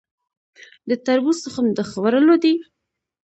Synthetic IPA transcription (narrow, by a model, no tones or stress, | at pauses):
d̪ət̪aɾbusəxamd̪əxwaɾəlod̪i